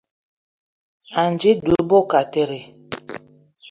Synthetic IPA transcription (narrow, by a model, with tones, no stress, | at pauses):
a˨n˨d͡ʒi˦du˨˦ɾbo˦ka˨te˦ɾi˨